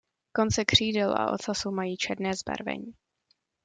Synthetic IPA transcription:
ko̞nt͡sɛkr̝̥iːdɛlʔa̰ʔo̞̰t̪t͡sasumajiːt͡ʃɛdnɛːzba̰ɾvɛ̰ɲiː

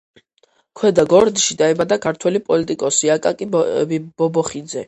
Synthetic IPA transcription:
kʰwɛd̪aɡɔɾd̪iʃid̪aɛmad̪akʰaɾt̪ʰwɛlipʼɔlit̪ʼikʼɔsiakʼakʼib̥ɔbɔχid̪zɛ

